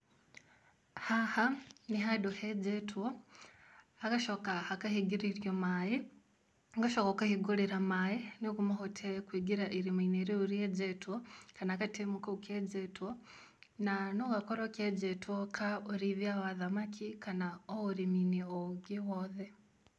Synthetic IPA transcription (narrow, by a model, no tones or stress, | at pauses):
hahaniɦaduhed͡ʒetwo | akaʃokahakahiɡiɾiɾjomaji | ŋɡaʃokokahiɡuliɾamajinikumahotʰekwiɡiɾaʔiɾimaineɾiuɾied͡ʒetuwokanakatimukauked͡ʒetwo | nanoɣakoɾaked͡ʒetwokʰaoɾiβjaβaðamakʰikanaooɾiminioɡiwoðe